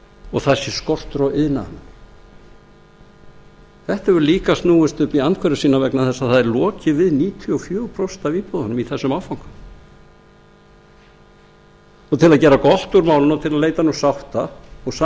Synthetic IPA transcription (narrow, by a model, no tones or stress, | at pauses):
ɔɣθaðsjɛskɔr̥t̪ɾɔʔɪðna̰n | θɛht̪aɛvʏɾliːkast̪nuːwʏst̪ʏhpiant̪kʰɛɾʏ̥siːnavɛknaðθɛsːaðθaðɛɾlɔːcɪvɪðniːt̪ʰiɔfjœːpʰɾɔwst̪aviːpɔðanʏmiθɛsːʏmawfawŋ̥kʏm | ɔt̪ʰɪlaðcɛːɾakɔl̥t̪uɾmaːwlɪnat̪ʰɪlaðleːjt̪anusawht̪aɔɣsa